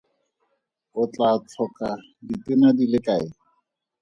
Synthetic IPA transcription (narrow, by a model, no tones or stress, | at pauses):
ʊt͡ɬʼat͡ɬʰɔka | dit̪ɪnad̪ilɪkʼaɪ